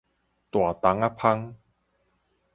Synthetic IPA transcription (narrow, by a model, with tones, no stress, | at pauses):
t̪wa˨˩t̪a˨˦ŋa˦pʰa˦˥ŋ